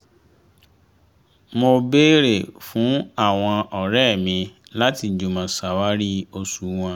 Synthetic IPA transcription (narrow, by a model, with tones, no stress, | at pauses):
mo˧be˦ɾe˦˨fũ˨˦a˦˨w̃ɔ̃˧ɔ˨ɾɛ˦˨mĩ˧la˦ti˧˨d͡ʒu˨mã˨sa˨wa˦ɾi˦o˧su˨˦w̃ɔ̃˧